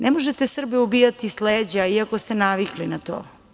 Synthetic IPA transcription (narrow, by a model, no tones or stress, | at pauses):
nʔemoʒet̪esr̩beubijat̪isleːd͡ʑaiakost̪enaʋiklinat̪o̰ː